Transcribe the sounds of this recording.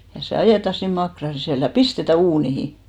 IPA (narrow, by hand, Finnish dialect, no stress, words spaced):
jɑ se ɑjeˑtɑ sin mɑkrɑn̞ sisæˑl jɑ pistetæ uːnihi